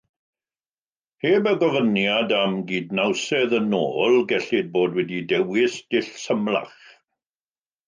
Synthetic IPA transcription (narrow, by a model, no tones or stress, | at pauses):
heːbəɡɔvənjadamɡiːd̚nawsɛðənoːlˠɡɛɬɪd̚boːdwɛdidɛwɪsd̥ɪɬsəmlˠa̰χ